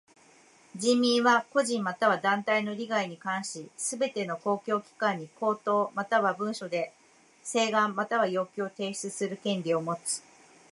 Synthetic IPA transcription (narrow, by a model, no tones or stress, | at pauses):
d͡ʑĩmʲĩɰ̃βako̞ʑĩmmat̪aβ̞ad̪ãnt̪aino̞ɾʲiɡaiɲ̟ikãɰ̃ɕisɨbe̞t̪e̞no̞ko̞ːkʲo̞ːkʲi̥kãɲ̟ːiko̞ːt̪o̞ːmat̪aβabɯ̟̃ɰ̃ɕo̞d̪e̞ | se̞ːɡãmːat̪aβ̞ajo̞ːkʲiot̪e̞ːɕi̥t͡sɨsɨɾɯ̟kẽ̞ɲɾʲio̞mo̞t͡sɨ̥